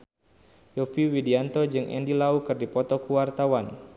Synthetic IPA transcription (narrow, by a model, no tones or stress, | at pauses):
jɔpiwidiant̪ɔd͡ʒɨŋʔɛ̰ndilaukɨrdipɔt̪ɔkuwart̪awan